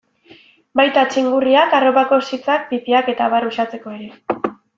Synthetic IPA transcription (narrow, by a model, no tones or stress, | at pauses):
bajt̪at͡ʃiŋɡuriakaro̞pako̞sit͡sak̚bipiake̞t̪aβarusat͡se̞ko̞eɾe